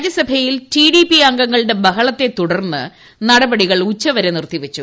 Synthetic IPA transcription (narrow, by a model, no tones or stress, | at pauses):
d͡ʑɐsɐbʱɐjiltiɖipiɐŋɡɐŋːɐɭɨɽe̞bɐɦɐɭɐt̪ːe̞t̪uɽɐrnːɨ | nɐɽɐbɐɽiɣɐɭut͡ɕːɐʋɐɾenirt̪iʋɐt͡ɕːu